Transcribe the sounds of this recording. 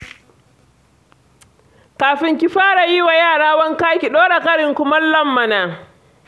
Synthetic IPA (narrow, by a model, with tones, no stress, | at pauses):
kaː˨ɸɪ˦ŋkʲi˦ɸaː˦ɽa˨ji˦wa˨jaː˦˨ɽaː˦wɐ˦ŋkaː˦kʲi˨ɗoː˦ɽa˨kɐ˦ɽɪ˨ŋkʷʊ˦mɐ˦llɐ˦mːɐ˨naː˨